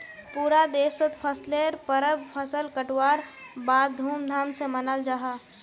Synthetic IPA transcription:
puːɾad̪eːsət̪pʰəsleɾpəɾəbpʰəsəlkəʈwaːɾbaːd̪ʱuːmd̪ʱaːmsemənəld͡ʒaɦaː

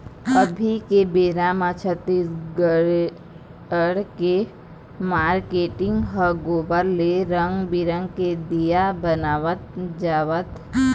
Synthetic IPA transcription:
əbʱikebeːɾaːmat͡ʃʰət̪ːisɡəɽ | əɽke | maːɾkeːʈɪ̃ŋɡɦəɡoːbəɾleɾəŋɡbɪɾə̃ŋɡked̪ijabənaːʋət̪̚d͡ʒaːʋət̪

